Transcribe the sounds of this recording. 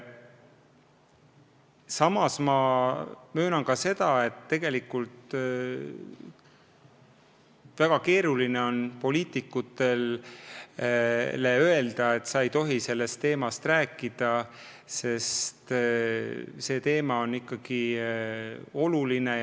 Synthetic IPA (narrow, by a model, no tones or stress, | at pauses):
sɑmɑsmɑ | mø̞ːnɑŋkɑse̞d̪ɑe̞t̪ːe̞ɡ̥e̞likːult̪ | væɡ̥ɑke̞ːɾulineo̞npo̞liːt̪ikːˑut̪ːˑe̞l | leø̞e̞ld̪̥ɑe̞t̪sɑe̞jt̪o̞ɦise̞lːe̞st̪ːe̞ːmɑst̪ræːkˑːid̪̥ɑ | se̞st̪ | se̞ːt̪e̞ːmɑo̞nːikːˑɑɡ̥i | o̞luline̞